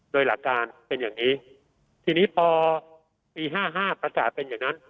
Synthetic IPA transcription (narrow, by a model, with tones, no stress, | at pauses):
doː˧jla˨˩kːaː˧npe˧njaː˨˩ŋniː˦˥ | t̪ʰiː˧niː˦˥pʰɔː˧ | piː˧ɦaː˥˩ɦaː˥˩pɾa˧kaː˨˩t̪̚pe˧njaː˨˩ŋna˦˥n